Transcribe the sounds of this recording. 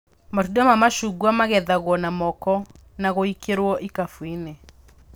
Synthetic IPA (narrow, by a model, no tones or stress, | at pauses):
matudamamaʃuɣwamaɣɛðaɣwɔnamɔkɔ | naɣoikeɾwɔʔikafwine